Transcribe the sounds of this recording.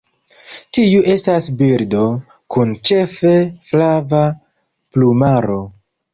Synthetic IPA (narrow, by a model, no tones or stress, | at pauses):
tiuʔe̞stasbiɾdo̞ | kʰunt͡ʃe̞feflava | plumaɾo̞